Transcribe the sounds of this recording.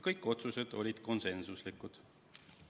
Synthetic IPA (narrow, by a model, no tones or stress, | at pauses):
kɤjkːˑo̞t̪suse̞d̪̥o̞lʲid̪̥ko̞nse̞nsuslikˑud̪̥